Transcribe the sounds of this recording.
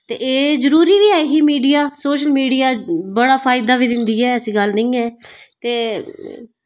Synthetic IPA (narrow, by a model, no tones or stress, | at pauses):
t̪eːʔeːzəɾuːɾiːʋiːɛːɦiːmiːɖijaːsoːʃəlmiːɖijaːbəɽaːpʰaːɪd̪aːʋiːd̪ɪnd̪iːɛːəsĩːɡəlnəĩːɛːt̪eː